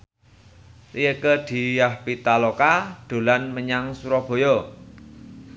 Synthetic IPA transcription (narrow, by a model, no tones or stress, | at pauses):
rijəkəd̪̥i̤jahpit̪alokaɖ̪̥o̤lanməɲaŋsuɾɔb̥o̤jɔ